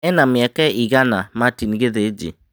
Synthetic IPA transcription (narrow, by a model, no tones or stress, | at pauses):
ɛnamjɛkɛiɣanamatinɣeðed͡ʒḛ